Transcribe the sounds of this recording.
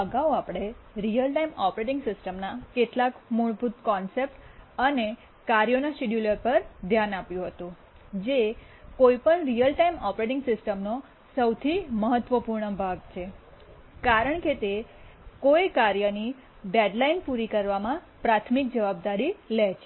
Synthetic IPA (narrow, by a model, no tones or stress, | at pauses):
əɡaoapɽ̃eɾijəlʈaimɔpɾeʈɪ̃ŋɡsɪsʈəmnakeʈlakmuɭbʱut̪kɔnsep̚ʈəne | kaɾjonaʃiɖjuləɾpəɾd̪ʱjanapjũɦət̪ũ | d͡ʒe | koipəɳɾijəlʈaimɔpɾeʈɪŋɡsɪsʈəmno | səwt̪ʰiməɦət̪ːʋəpuɾɳəbʱaɡt͡ʃʰe | kaɾəɳket̪ekojkaɾjəni | ɖeɖlainpuɾikəɾʋamãpɾat̪ʰmik̚d͡ʒəʋab̚d̪aɾilɛt͡ʃʰe